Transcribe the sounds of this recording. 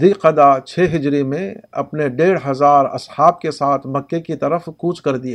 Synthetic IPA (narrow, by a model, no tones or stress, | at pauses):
iːqɐd̪at͡ʃʰeːɦɪd͡ʒɾimẽɐ̰pneɖeːɽɦɐzaːɾɐ̰shaːb̚kesaːt̪ʰmɐkːekit̪ɐɾəfkuːt͡ʃkɐɾd̪iaː